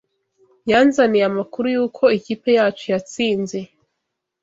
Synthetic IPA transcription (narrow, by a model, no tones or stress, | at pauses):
jaːnzaniamakuɾujuːkʰo̞ikiːpe̞jaːt͡ʃojat͡siːnze̞